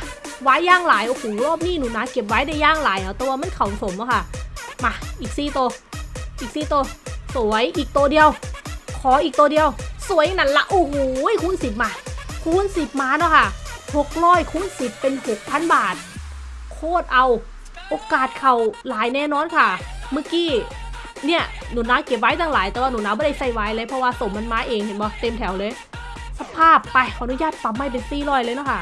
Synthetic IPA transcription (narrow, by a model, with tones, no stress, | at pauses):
waː˧˥˨jːaː˧˥˩ŋlaː˨˦jʔa˧kuː˨˩˦lɔː˧˥˩p̚niː˧˥˨nuː˨˩˦na˧˥ke˨˩p̚waː˨˧˥jda˧˩jːaː˧˥˩ŋlaː˨˦jʔa˧˩wt̪ɛː˧˦waː˧ma˧˥˨nkʰa˨˩wso˨˦mʔa˧˦kʰa˧˩ma˧ʔiː˨˩k̚siː˧˩t̪oː˧ʔiː˨˩k̚siː˧t̪oː˧su˨˦ə˦jʔiː˨˩k̚t̪oː˧di˧əwkʰɔː˨˦ʔiː˨k̚t̪uː˧di˧ə˧wsu˨˩˦əjna˧˥˩nla˧˩ʔu˧˩ŋu˨˦˥jkʰuː˧˥˨nsi˨˩p̚maː˧kʰuː˧˥˨nsi˨˩p̚maː˧nɔː˧˥˩kʰa˧˥˩ho˨˩k̚ɾɔː˧˥˩jkʰuː˧˥˨nsi˨˩pːe˧nho˨˩k̚pʰa˧˥˨nbaː˨˩t̪̚ | kʰoː˧˥˩t̪̚ʔa˧w | ʔoː˧kaː˨˩t̪̚kʰa˨˩wlaː˨˦jnɛː˧˩˨nɔː˧˥˨nkʰa˧˥˩mɯ˧˩˨kiː˧˥˩ | ni˧˥˩ɐ | nuː˨˩˦naː˧˥˩wke˨˩p̚waː˧˦jt̪ʰa˧˩ŋlaː˨˦jt̪ɛ˨˩waː˧˩nu˨˩˦naː˧˥bɔ˧˦a˥˩jsa˧˩jwaː˧˥jlɤː˧˥jpʰɔ˧waː˧so˨˩ma˧nmaː˧˥ʔeː˧ŋhe˨˦nbɔː˧˦t̪e˧mt̪ʰɛ˩˦wlɤː˧j | sa˧pʰaː˥˩pːa˧˩jʔnu˧˦jaː˧˩t̪̚pa˨˩m̚ma˧˩jpe˧nsiː˧˩lɔː˧˩jlɤː˧˦nɔ˧˥˩kʰa˧˩